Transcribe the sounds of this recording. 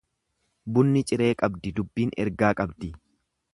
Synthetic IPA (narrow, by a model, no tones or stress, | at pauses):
bʊnːɪt͡ʃʼɪɾe̞ːkʼɐbd̪ɪd̪ʊbːiːnɛ̰ɾɡaːkʼɐbd̪ɪ